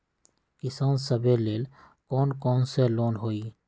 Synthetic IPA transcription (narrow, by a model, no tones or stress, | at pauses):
kisansəbeleːl | kɔːnkɔːnseloːnɦoi